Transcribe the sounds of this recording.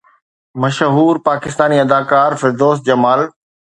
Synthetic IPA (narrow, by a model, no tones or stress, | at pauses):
mɐʃɦuːɾpaːkɪst̪aːniɐd̪aːkaːɾfɪɾd̪oːs̚d͡ʑɐmaːl